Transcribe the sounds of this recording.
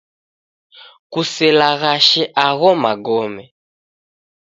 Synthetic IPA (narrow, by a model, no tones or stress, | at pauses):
kusɛlaɣaʃɛʔaɣɔmaɡɔmɛ